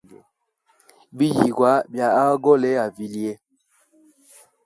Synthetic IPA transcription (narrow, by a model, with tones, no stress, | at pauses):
bi˦ji˨ɡwa˨˦bja˨a˦ɡɔ˦˨lɛ˦a˨vi˨li˦ɛ˦